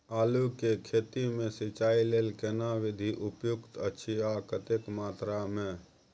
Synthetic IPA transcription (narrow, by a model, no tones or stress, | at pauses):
aːlukekʰeːt̪imẽsɪt͡ʃaːileːlkeːnaʋɪd̪ʱiʔʊpjʊkt̪ət͡ʃʰiakət̪ekmaːt̪ɾamẽ